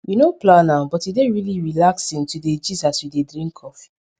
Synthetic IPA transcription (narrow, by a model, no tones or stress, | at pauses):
junoplãnãbɔtideɹiliɹilaksĩntuded͡ʒizaswidedɹĩŋkʰɔfi̥